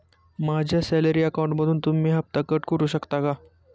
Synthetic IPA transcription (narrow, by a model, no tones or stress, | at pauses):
mad͡ʑʱjasɛləɾiːəkaũɳʈməd̪ʱuːnt̪umiːɦap̚t̪akəʈkəɾuːɕəkt̪aka